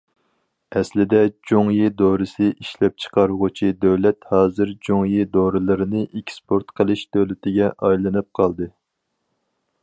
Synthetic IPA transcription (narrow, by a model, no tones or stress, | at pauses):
ɛslɪd̪ɛd͡ʒoŋjid̪oɾɨsɨʔiʃlɛp̚t͡ʃʰə̥qɑɾuʁʊt͡ʃʰid̪øwlɛt̪hɑːzɨɾd͡ʒoŋjid̪oɾɨlˠɨɾɨnɨʔekʲspʰoɾt̪qʰəlˠɨʃd̪̥øwlɪt̪ʰɪɡʲɛʔɑjlˠɨnɨp̚qʰɑlˠd̪ɨ